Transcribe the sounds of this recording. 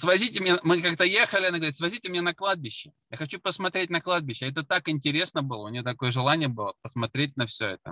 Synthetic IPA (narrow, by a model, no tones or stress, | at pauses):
svɐzʲitʲɪmʲnʲemɨkak̚t̪əjexəlʲɪɐnaɡəvɐɾʲit̪svɐzʲitʲɪmʲnʲenɐklˠad̪̚bʲɪɕːɪ | jaxɐt͡ɕupəsmɐt̪ɾʲetʲnɐklˠad̪̚bʲɪɕːɪɛt̪ət̪akɪnʲtʲɪɾʲe̞snəbɨlˠəʊnʲɪjot̪ɐkojəʐɨlˠanʲɪjəbɨlˠəpəsmɐt̪ɾʲet̚ʲnɐfsʲɵ̰ɛ̰t̪ə̰